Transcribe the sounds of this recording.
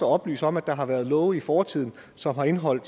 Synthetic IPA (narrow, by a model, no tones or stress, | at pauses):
ɒɒ̽b̥ly̰ːsɒ̽mæd̥ɑ̈ɦɑ̈ʋæɐð̞ˠlɔ̽ʊifɒːt͡sʰið̰ˠn̩ | sɒ̽mɦɑ̈e̝nɦɒ̽l̰d̥